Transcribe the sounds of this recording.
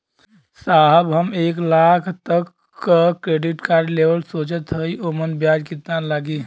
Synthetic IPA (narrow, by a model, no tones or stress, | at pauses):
saɦəbɦəmeklakʰt̪əkː | kɾeɖiʈkaɾɖlebəlsot͡ʃət̪ɦəjʔomənbjad͡ʒkit̪nalaɡi